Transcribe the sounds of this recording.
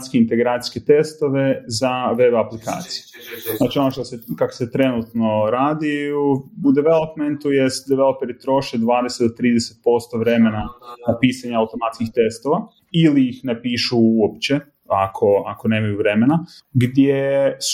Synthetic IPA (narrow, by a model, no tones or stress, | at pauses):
t̪skeint̪eɡɾaːt̪i̥ske̞t̪est̪o̞ʋe̞zaʋe̞baplika̰ːt̪sije | znaːt͡ʃio̞noʃt̪osekako̥set̪ɾe̞nut̪no̞ɾaːd̪i | ud̪eʋelˠopment̪ujest̪d̪eɛʋelˠopeɾit̪ɾo̞ʃed̪ʋaːd̪esed̪ot̪ɾiːd̪eset̪̚po̞st̪o̞ʋɾe̞me̞nanapiːsaɲaawt̪o̞mat̪skixt̪e̞st̪o̞ʋa | iliixnepiːʃuuopt͡ɕe̞ | akʰo̞a̰ko̞neːmajuʋɾe̞me̞na | ɡd̪jes